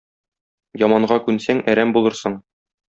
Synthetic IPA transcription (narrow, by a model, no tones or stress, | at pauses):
jɒmɑɴɢɑkʉnsæŋæɾæmbulˠɤɾsɤɴ